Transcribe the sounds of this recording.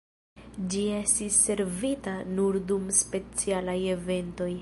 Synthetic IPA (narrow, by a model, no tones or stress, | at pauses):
d͡ʒie̞stisːe̞ɾvitanuɾdumspe̞t͡sialaje̞ve̞nto̞j